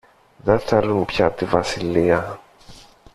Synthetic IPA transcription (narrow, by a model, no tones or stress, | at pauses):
ðeθelunpçɐt̪ivɐsiliɐ